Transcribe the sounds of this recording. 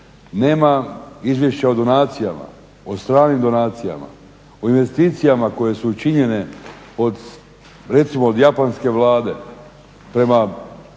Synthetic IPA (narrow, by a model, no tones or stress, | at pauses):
ne̞ːmaizʋje̞ʃt͡ɕaod̪o̞naːt̪sijama̰ | ost̪ɾaːnimd̪o̞naːt̪sija̰ma̰ | oinʋe̞st̪iːt̪sijamako̞je̞suːt͡ʃiɲe̞ne̞ | od̪ | ɾe̞t̪simoːd̪japanske̞ʋlˠaːd̪e̞ | pɾe̞ma